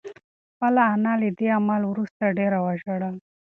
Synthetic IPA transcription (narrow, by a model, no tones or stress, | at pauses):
palaːnalid̪iamaluɾust̪əɖeɾəʋaɕəɽan